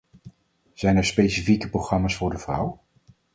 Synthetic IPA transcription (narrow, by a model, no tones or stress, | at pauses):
z̥ɛjnɛɹspejsifikəprowχrɑmaːsfʊːɹdəvrʌw